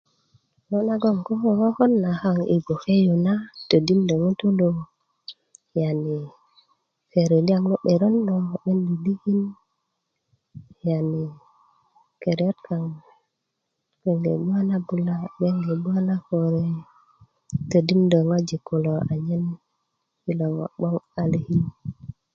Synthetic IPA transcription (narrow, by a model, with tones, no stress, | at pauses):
lo˦na˦ɡo˦˨ŋko˦ko˦ko˦xo˦nːa˨xa˦˨ŋḭ˨ɡo˨xe˦jo˨na˦to˨di˦mdo˨ŋu˦tu˦lo˨ | ja˨ni˨ | ke˨ɾe˨li˦a˨ŋno˦ɓe˨ɾo˦nːo˨ɓe˦ndi˨di˦ki˦n | ja˨ni˨ | ke˨ɾjo˦tka˨ŋ | ke˨ŋɡḛ˨bu˦a˦na˦bu˦la˦ɓe˦ŋɡe˨bu˦a˦na˦ko˨ɾe˦ | tə˨di˦mdə˨ŋa˦d͡ʒi˨kːu˨lo˨a˨ɲe˦n | ki˦lo˨ŋo̰˨ɓo˦ŋa˨li˦hi˦n